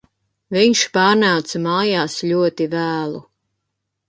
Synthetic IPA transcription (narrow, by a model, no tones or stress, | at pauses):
viɲʃpaːɾnawt̪samaːjaːsʎʲuɔt̪ivæːlˠu